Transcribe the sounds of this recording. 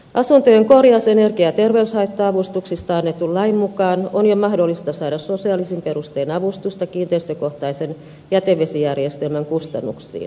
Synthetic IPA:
ʔɑsunt̪øŋkorjɑsenerkiɑt̪erʋeyshɑit̪ːɑɑʋust̪uksist̪ɑɑnːet̪ːulːɑimmukɑːnonjomɑhdolːist̪ɑsɑːdɑssosiɑlisimperust̪eːnɑʋust̪ust̪ɑkiːnt̪eist̪økoht̪ɑisen | jæt̪eʋʋesijærjest̪elmæŋkust̪ɑ̰nːṵksḭːn

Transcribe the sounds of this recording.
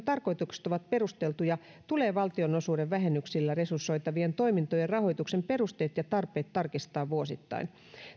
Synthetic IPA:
t̪ɑrko̞jt̪ukse̥t̪oʋɑt̪̚pe̞ɾust̪e̞lt̪ujɑ | t̪uleːʋɑlt̪io̞no̞suːɾeʋʋæɦenːyksilːæresursːo̞jt̪ɑʋient̪o̞imint̪ojerrɑho̞jt̪ukse̞mpe̞rust̪eːt̪jɑt̪ɑrpe̞ːt̪ːɑrkist̪ɑːʋʋuosit̪ːɑ̰in

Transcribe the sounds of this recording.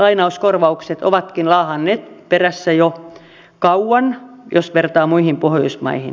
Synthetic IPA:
ɑinɑuskorʋɑukset̪o̰ʋɑt̪kinlɑːhɑnːeːt̪peræsːæjo | kɑuwɑn | josʋert̪ɑːmuihimpohjo̰ismɑ̰ihḭn

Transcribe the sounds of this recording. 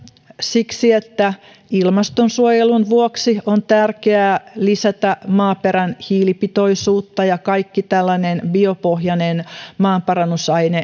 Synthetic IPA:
siksiet̪ːæ | ilmɑst̪onsuojelunʋuoksiont̪ærkeæːlisæt̪æmɑːpeɾænhiːlipit̪oisuːt̪ːɑjɑkɑikːit̪ælːɑnenbiopohjɑnenmɑːmpɑrɑnːusɑjne

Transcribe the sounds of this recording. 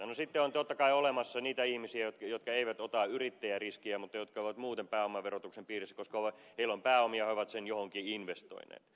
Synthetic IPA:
nosit̪ːeont̪ot̪ːɑkɑiolemɑsːɑniːt̪æihmisiæjot̪kjot̪kɑeiʋæt̪ot̪ɑyrit̪ːæjæriskiæmut̪ːɑjot̪̚kɑoiʋɑt̪muːt̪empæːomɑʋerot̪uksempiːrisːæ̥koskɑoʋɑheilːompæːomiɑoiʋɑt̪senjohoŋkiinʋest̪o̰inḛːt̪

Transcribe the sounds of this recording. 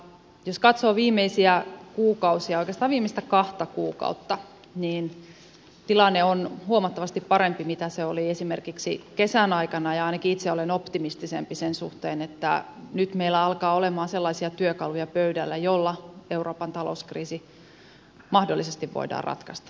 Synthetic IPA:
joskɑt̪soːʋiːmeisiækuːkɑusiɑoikest̪ɑːʋʋiːmːˑeist̪ækɑht̪ɑkuːkɑ̰ut̪ːɑ | niːn | t̪ilɑnːeonhuomɑt̪ːɑʋɑst̪ippɑɾempimit̪æseoliesimerkiksikesænɑikɑnɑjɑɑinɑkiit̪seolenopt̪imist̪isḛmpisensṵht̪eːnet̪ːæ̰nyt̪meilːæɑlkɑːolemɑːnselːɑisiɑt̪yøkɑlujɑpøydælːæjolːɑeuroːpɑnt̪ɑlo̰skriːsi | mɑhdolːisest̪iʋʋo̰idɑ̰ːrʔɑ̰t̪kɑst̪ɑ̥

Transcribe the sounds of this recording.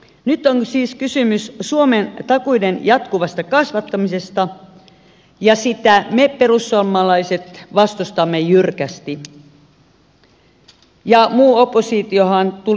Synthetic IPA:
nyt̪ːoŋsiːskysymyssuoment̪ɑkuidenjɑt̪kuʋɑst̪ɑkɑsʋɑt̪ːɑmisest̪ɑ | jɑsit̪æmepeɾusːuɑmːɑlɑiset̪ʋɑst̪ust̪ɑmːejyrkæst̪i | jɑmuːopːˑosit̪iohɑnt̪u

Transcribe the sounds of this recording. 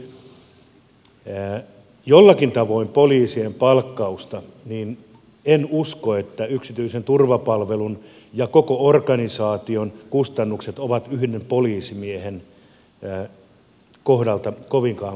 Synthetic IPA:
jolːɑkint̪ɑʋoimpoliːsiempɑlkːɑust̪ɑniːn | enuskoet̪ːæyksit̪yisent̪urʋɑpɑlʋelun | jɑkokoorkɑnisɑːt̪ionkust̪ɑnːukset̪oʋɑt̪yhdempoliːsimiehenː | kohdɑlt̪ɑkoʋiŋkɑː

